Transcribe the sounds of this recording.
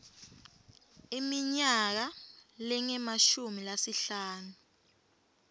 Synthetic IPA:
imiɲak̬alɛŋɛmaʃumilasiɬaːnu

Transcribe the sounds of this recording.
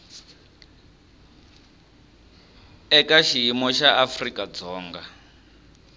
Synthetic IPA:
ɛkaʃiɦimɔʃaʔafrikʼad͡zɔːŋɡa

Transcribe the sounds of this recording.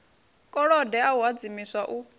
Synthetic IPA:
kʼɔɺɔdɛawad͡zimiswaʔu

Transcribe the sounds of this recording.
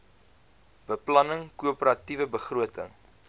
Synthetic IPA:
b̥əplɐnəŋkuəpəɾɐtivəbəχruətə̰ŋ

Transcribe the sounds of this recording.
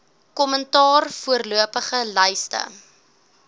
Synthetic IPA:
kɔməntɑːrfuərluəpəχəlœjstə̰

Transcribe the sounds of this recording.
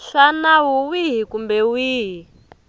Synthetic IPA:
ɬanawuwiɦikumbɛwiːɦi

